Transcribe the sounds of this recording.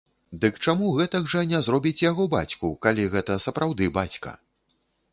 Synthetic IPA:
d̪ɨkt͡ʂamuɣɛt̪ɐɡʐɐnʲɛzɾɔbʲit͡sʲjaɣɔba̰t͡sʲkukalʲiɣɛt̪ɐsɐpɾawd̪ɨbat͡sʲkɐ̰

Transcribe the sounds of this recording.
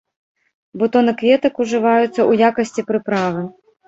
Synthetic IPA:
bɔt̪ɔnɐkvʲɛt̪ɐkuʐɨvajut̪sːɐʔujakɐsʲt͡sʲipɾɨpɾavɨ

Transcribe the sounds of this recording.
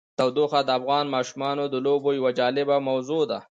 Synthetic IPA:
t̪awd̪oxad̪əafɣɑːnmɑʃumɑnod̪əlobojawad͡ʒɑːlɪbamawzod̪a

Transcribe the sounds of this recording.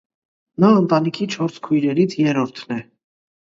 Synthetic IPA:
nɑənt̪ɑnikʰit͡ʃʰɔɾskʰujɾɛɾit͡sʰjɛɾɔɾt̪ʰnɛ

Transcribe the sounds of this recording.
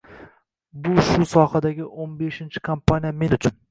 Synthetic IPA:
bʊʃʊsɒhad̪aɡʲɪʔonbe̞ʃɪnt͡ʃʰɪ̥kʰampʰanijame̞nʊt͡ʃʰʊn

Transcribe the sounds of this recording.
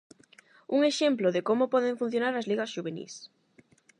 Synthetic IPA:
uŋeʃemploðekomopɔðeɱfun̟θjonaɾɐzliɣɐsʃuβenḭs

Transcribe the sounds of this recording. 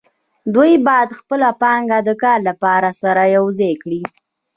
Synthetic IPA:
d̪ujbɑjad̪xpəlapɑŋɡad̪əkɑɾlapɑɾasaɾajawzekɽi

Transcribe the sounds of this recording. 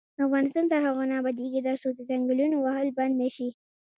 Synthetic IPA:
afɣɑnɪst̪ɑnt̪aɾɦaɣonabad̪eɡid̪aɾsod̪əzaŋɡəlunowaɦəlband̪naʃi

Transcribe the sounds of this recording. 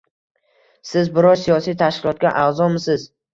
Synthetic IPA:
sɪzbɪɾɒɾsijɒsijt̪ʰaʃkʲɪlˠɒt̪̚kʲaʔazɒmɪsɪz

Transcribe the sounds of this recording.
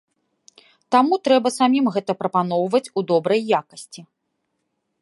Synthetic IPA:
t̪amut̪ɾɛbɐsamʲimɣɛt̪ɐpɾɐpanɔwvɐt͡sʲud̪ɔbɾɐjːakɐsʲt͡sʲi

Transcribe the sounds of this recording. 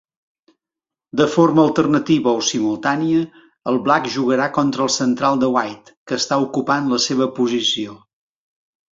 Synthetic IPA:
d̪əforməəlˠt̪ərnət̪iβəosimulˠt̪aniə | əlˠβlakʒuɣəɾakɔnt̪ɾəlˠsənt̪ɾalˠd̪əwajt̪kəst̪aukupanləseβ̞əpuzisio

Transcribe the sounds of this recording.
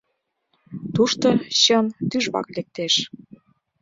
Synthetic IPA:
t̪uʃt̪oɕɤnt̪yʒβɑ̰klek̚t̪eʃ

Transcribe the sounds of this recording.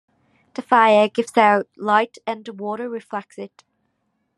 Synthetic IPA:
ðəfaɪəɡɪvsaʊʔlaɪtə̃nwɔːˑɾəɹɪflɛk̚sɪt

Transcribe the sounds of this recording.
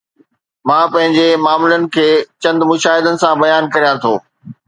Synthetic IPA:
mãːpɐ̃ɦɪ̃ɲd͡ʑemaːmʊlənɪ̆kʰeːt͡ɕɐ̃nd̪mʊʃaːɦɪd̪ənɪ̆sãbɐjaːnkɐɾijãt̪ʰoː

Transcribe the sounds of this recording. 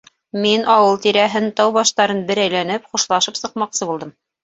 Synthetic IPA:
minʔɑwɤlˠt̪iɾæɦɘnt̪ɑwβɑʃt̪ɑɾɤnbɘ̆ɾæjlænɘpχuʃlˠɑʃɤpsɤ̆q̚mɑqsɤbulˠd̪ɤm

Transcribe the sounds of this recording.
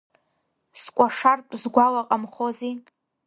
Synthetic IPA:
skʷʼaʂartʷʼzɡʷawaqʼamχozi

